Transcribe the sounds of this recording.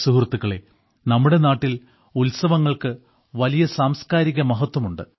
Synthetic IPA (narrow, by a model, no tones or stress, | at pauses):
suɦrt̪ːuɣɐɭe̞̰ | nɐmːuɽe̞naːʈːil | ulsɐʋɐŋːɐɭkɨ | ʋɐlijɐsaːmskaːɾiɣɐmɐɦɐt̪ːwɐmuɳɖɨ